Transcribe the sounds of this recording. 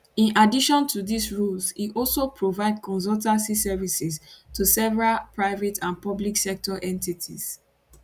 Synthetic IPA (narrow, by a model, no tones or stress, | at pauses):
ĩnadiʃɔ̃ntʰuðisɹulziʔɔlsopʰɹovaɪdkʰɔ̃ns̬ɔltasisɛvisɛstusɛvɹalpɹaɪvetʰãnpɔbliksɛk̚tɔʔɛ̃ntitʰḭz